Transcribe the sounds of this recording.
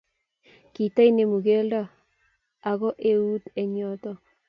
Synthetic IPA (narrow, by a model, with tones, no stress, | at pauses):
ki˨t̪a˦ine˨mu˨ɣe˦lda˦ | a˨ɣɔ˦ʔe˦u˦t̪e˨ɲo˦t̪o˦